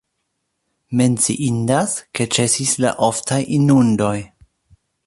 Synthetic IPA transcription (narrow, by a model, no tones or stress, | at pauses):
me̞nt͡sḭʔindaske̞t͡ʃe̞sisla̰ʔoftʰajinundo̞j